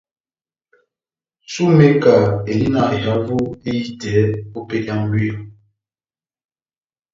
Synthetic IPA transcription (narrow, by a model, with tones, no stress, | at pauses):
su˦me˦ka˨e˨li˦na˦˨e˨ɦa˦vu˦e˦ji˦tɛ˨˦o˦pe˦dja˦ŋ˦be˦˨